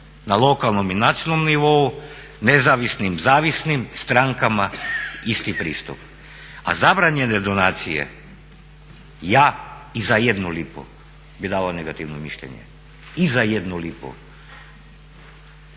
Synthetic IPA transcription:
nalˠo̞kalˠno̞minat̪sijonomniʋo̞u | nezaʋisnimzaːʋisnimst̪ɾaŋkamaist̪ipɾḭːst̪up | a̰zabɾaɲened̪onaːt̪sijḛ | jaːizajed̪nulipo̰ | bid̪aːlaneɡat̪iʋnomiʃʎḛɲḛ | izajed̪nulipo̰

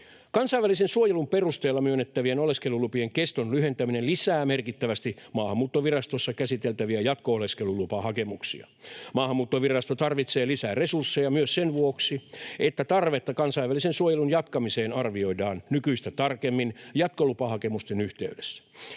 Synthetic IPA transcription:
kɑnsɑiʋælisensuojelumpe̞rust̪eːlːɑmyønːet̪ːæʋienoleskelulupieŋkest̪onlyɦe̞nt̪æminelisæːmerkit̪ːæʋæst̪imɑːhɑmːuːt̪ːoʋirɑst̪osːɑkæsit̪elt̪æʋiæjɑt̪kooleske̞lulupɑɦɑke̞muksḭɑ̰mɑːhɑmːuːt̪ːoʋirɑst̪ot̪ɑrʋit̪se̞ːlisæːre̞sursːejɑmyøssenʋuoksiet̪ːæt̪ɑrʋet̪ːɑkɑnsɑiʋːælisensuojelunjɑt̪kɑmise̞ːnɑrʋio̞idɑːnnykyist̪æt̪ɑrkemːinjɑt̪kolupɑhɑkemust̪enyht̪e̞̰ydesːæ̥

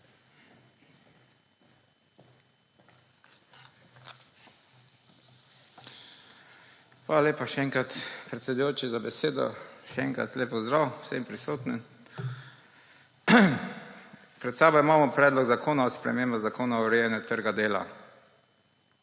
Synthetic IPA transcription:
xʋaːlaleːpaʃɛɛŋkɾat̪pɾɛt̪sʲɛd̪ujoːt͡ʃizabɛseːd̪ɔ̰ʃɛɛ̰ŋkɾa̰t̪leːpɔzd̪ɾawsɛmpɾisoːt̪nɛn | pɾɛt̪sɛbɔimaːmɔpɾɛːd̪lɔɡzakʰoːnaɔspɾɛ̰meːmbazakoːnaɔɾɛjɛnɛt̪əɾɡad̪eːla̰

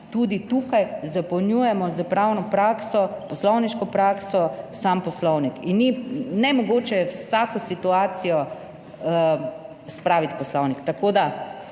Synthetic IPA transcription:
t̪ud̪it̪ukajzapɐwnjujɛmɔzəpɾawnɔpɾaːksɔpɔslɔwniʃkɔpɾaːksɔsampɔslɔwnikinːinɛmɔɡoːt͡ʃɛwsakɔsit̪uaːt̪sijɔ | spɾaːʋit̪pɔslɔwnikt̪akoːd̪a

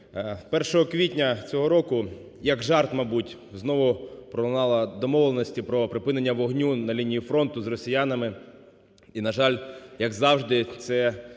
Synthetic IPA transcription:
pɛrʃɔɦɔkʋʲitʲnʲɐt͡sʲɔɦɔɾɔkʊ | jɐɡʒɑrt̪mɐbutʲ | znɔʋʊpɾɔlˠnɑlˠɐd̪ɔmɔʋlˠenɔsʲtʲipɾɔpɾɪpɪne̞nʲːɐʋɔɦnʲunɐlʲinʲijifɾɔn̪t̪ʊzrɔsʲɪjanɐmɪ | inɐʒɑlʲjɐɡzɑwʒd̪ɪt̪sɛ

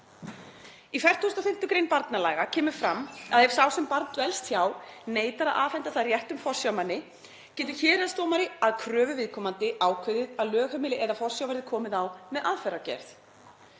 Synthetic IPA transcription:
ifɛr̥t̪ust̪aθɪn̥t̪ʏkɾeːjnpaɾt̪nalaːɣacʰɛːmʏ̥fɾamːaðhɛv̥sawsɛmpaɾt̪vɛlst̪çjaːwneːjt̪aɾaðʔa̰ːfɛnt̪aθaðrjɛht̪ʏmfɔr̥sjawmanːɪ | cɛːt̪̬ʏ̥çɛːɾaðst̪oːwmaɾɪaðkʰɾœːvʏvɪðkʰɔːmant̪ɪaːwkʰɪðɪðaðlœːxœmɪːlɪʔɛðafɔr̥sjawvɛɾðɪkʰɔːmɪðawmɛðʔaðfɛɾacɛ̰ɾ̥θ

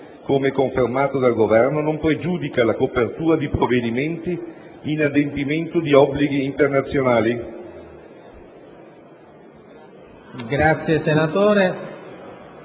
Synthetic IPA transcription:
komekoɱfermaːt̪od̪alɡovɛrnonompɾed͡ʒuːd̪ikalakopert̪uːɾad̪ipɾovːed̪iment̪iː | nad̪empiment̪od̪iɔbːliɡiːnt̪ernat̪sːjonaːli | ɡɾat̪sːjesenat̪oːɾe

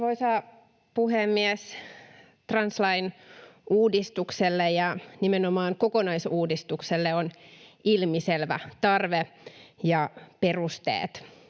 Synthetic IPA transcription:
ʋoisɑː | puhemːiɛs | t̪rɑnslɑinuːdist̪ukselːejɑnimenomɑːŋkokonɑisuːdist̪ukselːeonilmiselʋæ̰t̪ɑrʋejɑperust̪ḛːt̪

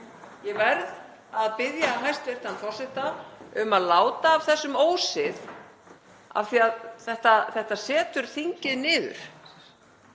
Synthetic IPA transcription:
jɛvɛɾð | aðpɪðjaːɦajst̪vɪr̥t̪anfɔr̥sɪht̪aʏmaðlaːwt̪aːv̥θɛsːʏmoːwsɪð | a̰vθiaðθɛht̪aθɛht̪asɛːt̪ʏɾ̥θiɲcɪðnɪːðʏ̰ɾ̥

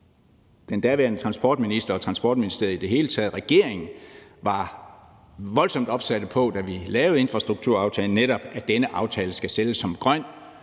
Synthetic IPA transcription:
d̥end̥æɐʋæɐnət͡sʰʁɑ̈nsb̥ɒ̰ːd̥̚minisd̥ɐɒ̽t͡sʰʁɑ̈nsb̥ɒ̰ːd̥minisd̥e̝ɐ̰ðˠid̥e̝ɦe̝ːlət͡sʰɛːð̞̩ˠʁɛɡ̥e̝ɐ̰eŋn̩ʋɑ̈ | ʋɒ̽lsɒ̽m̰d̥ɒ̽b̥sæɾ̥əpʰɒ̽d̥æʋilɛːʊð̩ˠe̝nfʁɑ̈sd̥ʁuɡ̥̚t͡sʰuɐ̰ɑ̈ʊt͡sʰɛːln̩ːeɾɒ̽b̥æd̥enəʔɑ̈ʊt͡sʰɛːləsɡ̥æseləsːɒ̽mɡ̥ʁɶn̰

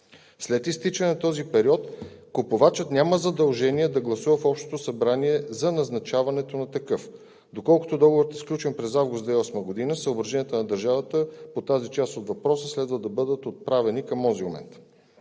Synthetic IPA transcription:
slɛt̪ist̪it͡ʃənɛnɐt̪ɔzipɛɾiɔt̪kopovat͡ʃət̪nʲaməzɐd̪ɐlˠʒɛniɛd̪ɐɡlˠɐsuvəfɔpʃt̪o̥t̪osɐbɾaniɛzɐnɐznɐt͡ʃavɐnɛt̪onɐt̪ɐkɤf | d̪okɔlˠko̥t̪od̪ɔɡovoɾət̪ɛsklʲut͡ʃɛnpɾɛzavɡʊst̪ɛɔsməɡod̪inəsəobɾɐʒɛniət̪onɐd̪ɐɾʒavət̪əpot̪azit͡ʃast̪ot̪vɐpɾɔsəslɛd̪vəd̪ɐbɤd̪ət̪ot̪̚pɾavɛnikɐmɔziomɛ̰nt̪

